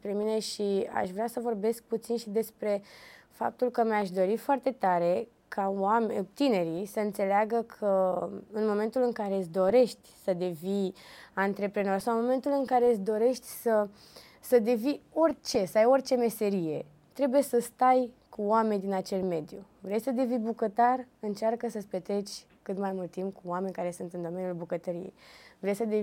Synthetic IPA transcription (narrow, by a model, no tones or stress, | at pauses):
pɾe̞mine̞ʃia̰ʃvɾeasəvo̞rbe̞sk̚put̪sinʃid̪e̞spɾe̞fa̰p̚t̪ulkəmjaʃd̪o̞ɾifoart̪e̞t̪aɾe̞ | kʰawamt̪ine̞ɾisəɨnt̪se̞leaɡəkʰəɨnmo̞me̞nt̪ulɨŋkaɾesd̪o̞ɾe̞ʃt̪ʲsəd̪e̞viant̪ɾe̞pɾeno̞rʲsawɨnmo̞me̞nt̪ulɨŋkaɾe̞ɨsd̪o̞ɾe̞ʃt̪ʲsə | səd̪e̞vio̞rʲt͡ʃe̞səajo̞rʲt͡ʃe̞me̞se̞ɾije̞ | t̪ɾe̞buje̞səst̪ajkuoame̞nʲd̪inat͡ʃe̞lme̞d̪ju | vɾesəd̪e̞vibukət̪arɨnt͡ʃarkəsəspet̪ɾe̞t͡ʃʲ | kɨt̪majmult̪ːimpkuoame̞nʲkaɾe̞sunt̪ɨnd̪o̞me̞nijulbukət̪əɾijḛjvɾesʲsəd̪e